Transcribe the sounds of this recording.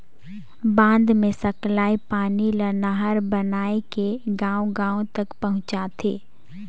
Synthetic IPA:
bãːnd̪mẽsɐklaːipaːnilənaɦəɾbənaːekeɡãːõɡãːõt̪ɐkpɐɦʊ̃t͡ʃaːt̪ʰeː

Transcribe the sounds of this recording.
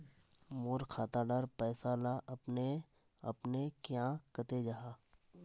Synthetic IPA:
moːɾkʰaːt̪aɖəɾpɛːsalaʔɐpne | ɐpnekjãːkət̪ed͡ʒaːɦaː

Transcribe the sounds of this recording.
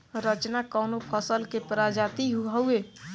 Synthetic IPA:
ɾət͡ʃnakɔːnopʰəsəlkepəɾad͡ʒaːt̪iɦuaueː

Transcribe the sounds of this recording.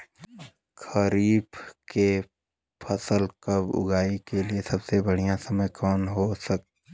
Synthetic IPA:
xəɾiːbke | pʰɐsəlkɐbʊ̰ɡaːikeliesɐbsebɐɽ̤ijãsɐməjkʰɔːnɦosɐk̚t̪ː

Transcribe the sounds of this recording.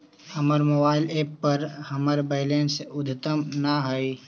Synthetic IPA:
hɐməɾmoːbaːɪleːpːɐɾhɐməɾbeːɪleːnsʊd̪ʱt̪əmnaɦɐi

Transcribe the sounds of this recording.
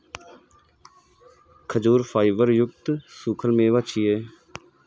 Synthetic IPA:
kʰəd͡ʒuːɾfʰaːɪʋəɾjʊɡt̪suːkʰəlmẽːʋat͡ʃʰieː

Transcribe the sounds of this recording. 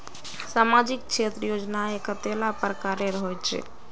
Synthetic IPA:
samad͡ʒik̚t͡ʃʰet̪ɾəjod͡ʒnaekət̪elapəɾkaɾeɾəɦojt͡ʃʰḛ

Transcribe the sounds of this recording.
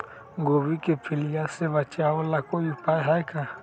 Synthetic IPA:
ŋɡɔβikepiliasɛβat͡ʃaɔlakɔjipaɛɦajka

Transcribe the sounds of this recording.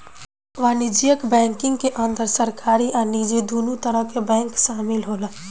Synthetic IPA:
ʋaːnid͡ʒijəkbɛ̃ːŋkɪ̃ŋɡ̚keʔənd̪əɾsəɾkaːɾiʔənid͡ʒed̪oːnut̪əɾəɦkebɛ̃ːŋkʃaːmɪlɦoːla

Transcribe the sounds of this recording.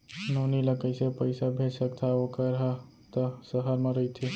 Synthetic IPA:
noniləkəɪsepəɪsabʱesəkt̪ʰaokəɾɦə | t̪əsəɦəɾmẽɾəɦjt̪ʰi

